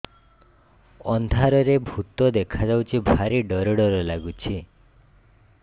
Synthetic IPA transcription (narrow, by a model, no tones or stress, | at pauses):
ɔnd̪ʱaɾɔɾebʱut̪ɔd̪ekʰad͡ʒawt͡ʃʰibʱaɾiɖɔɾɔɽɔɾɔlaɡut͡ʃʰi